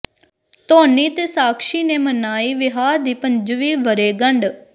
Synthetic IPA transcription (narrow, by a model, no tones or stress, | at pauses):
t̪oːniːt̪eːsaːkʃiːneːmənaːiːʋɪɦaːɾd̪iːpəɲd͡ʒʋiːʋəɾeːɡəɳɖ